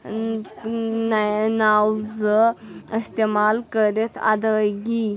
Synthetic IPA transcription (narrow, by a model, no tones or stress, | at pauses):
nnawd͡zəist̪emalkəɾet̪ʰa̰d̪əjɡi